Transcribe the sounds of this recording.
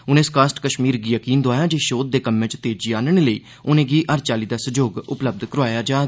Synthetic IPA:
ʊnẽːskaːsʈkəʃmiːɾɡiːjəkiːnd̪oaːjaːd͡ʒeːʃoːd̪̚d̪eːkəmːẽːt͡ʃt̪eːd͡ʒiːaːnəɳ̃eːləḭː | ʊnẽːɡiːʔəɾt͡ʃaːliːd̪aːsəd͡ʒoːɡʊpləb̚d̪kəɾoaːjaːd͡ʒaː

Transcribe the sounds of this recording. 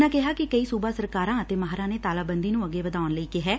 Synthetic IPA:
nãːkɪɦaːkɪkəiːsuːbaːsəɾkaːɾãːət̪eːmaɦɾãːneːt̪aːlaːbənd̪iːnũːəɡːeːʋəd̪aːʊnləiːkɪɦɛː

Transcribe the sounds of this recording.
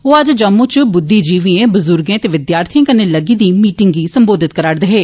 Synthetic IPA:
ɦoːəd͡ʒd͡ʒəmõːt͡ʃbʊd̪ːiːd͡ʒiːʋiẽːbʊzʊɾɡẽːt̪eːʋɪd̪jaːɾt̪ʰiãːkəneːləɡiːd̪iːmiːʈɪŋɡiːsəmboːd̪ɪt̪̚kəɾaːɽd̪əɦeː

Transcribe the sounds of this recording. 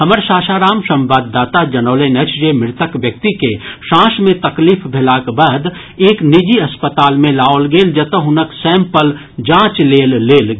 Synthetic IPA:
hɐməɾʃaːʃaːɾaːmʃɐ̃mbaːd̪ːaːt̪ad͡ʒɐnoːlenet͡ʃd͡ʒemɪɾt̪əkʋjək̚t̪ikeʃãːʃmẽt̪ɐkliːfbʱɪlaːkbaːd̪ | eːknɪd͡ʒiɐspət̪aːlmẽlaːolɡeːld͡ʒɐt̪əɦʊnəksɛ̃ːmpəl | d͡ʒãːt͡ʃleːlːeːl

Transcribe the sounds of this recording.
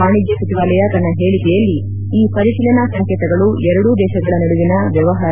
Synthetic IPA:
aːɳid͡ʒjɐsɐt̪iʋaːlɛjɐt̪ɐnːɐɦe̞ːɭikɛjɐlːi | iːpɐɾiʃilɐnɐsɐŋkɛt̪ɐɡɐɭuʔɛɾɐɽud̪ɛːʃɐɡɐɭɐnɐɽuʋinɐʋjɐʋɐɦaːɾ

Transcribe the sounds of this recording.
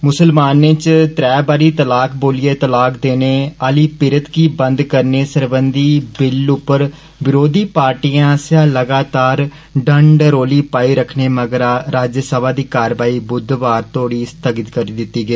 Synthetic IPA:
mʊsəlmaːnẽt͡ʃt̪ɾɛːbaːɾiːt̪əlaːkʰboːlieːt̪əlaːkd̪eːneːaːliːpɪɾət̪kiːbə̃nd̪kəɾneːsəɾbənd̪iːbɪlʊpːəɾ | bɪɾoːd̪iːpaːɾʈiːãːsjãːləɡaːt̪aːɾ | ɖəɳɖɾoːliːpaːiːɾəkʰneːməɡəɾaɾaːd͡ʒəsəbaːd̪iːkaːɾʋaːiːbʊd̪ʋaːɾt̪oːɽiːst̪əɡət̪kəɾiːd̪ɪt̪ːiːɡeː

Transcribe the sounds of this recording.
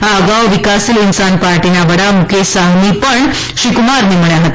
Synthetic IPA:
ɦaəɡawʋikasilinsanpaɾʈinaʋəɽamukʰesaɦnipəɳ | ɕikumaɾmiməɭjaɦat̪

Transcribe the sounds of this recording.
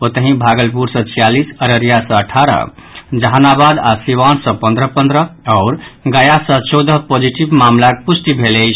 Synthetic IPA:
ot̪əɦĩbʱaɡəlpuɾsʌ̃t͡ʃʰijalisəɾəɾijasə̃əʈʰaɾə̰ | d͡ʒəɦanabad̪asiβansə̃pə̃nd̪ɾəpənd̪ɾəɔʊɾɡəjasə̃t͡ʃɔwd̪əɦpod͡ʒiʈibmamlakpusʈibʱelɛt͡ʃʰ

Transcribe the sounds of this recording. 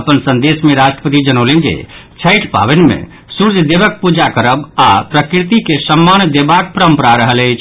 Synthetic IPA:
əpənsənd̪esmeɾasʈɾəpət̪id͡ʒənolend͡ʒḛ | t͡ʃʰəɪʈʰpa̰βənmḛ̃ | suɾd͡ʒʱd̪ebək̚pud͡ʒakəɾəbapɾəkɾit̪ikesəmːand̪ebak̚pəɾəmpəɾaɾəɦələjt͡ʃʰ

